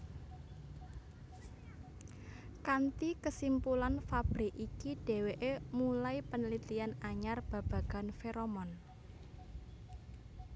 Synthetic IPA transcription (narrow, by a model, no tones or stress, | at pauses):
kant̪ikəsimpulanfab̥ɾɪkikiɖ̥e̤weʔemulaipənəlit̪ianaɲarb̥a̤b̥ä̤ɡ̥a̤nfeɾomɔn